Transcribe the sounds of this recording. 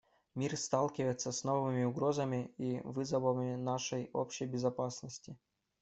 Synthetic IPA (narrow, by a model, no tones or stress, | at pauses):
mʲirst̪alˠkʲɪvəjɪt̪səsnovɨmʲɪʊɡɾo̞zəmʲɪivɨzəvəmʲɪnaʂəjo̰pɕɪjbʲɪzɐpasnəsʲtʲɪ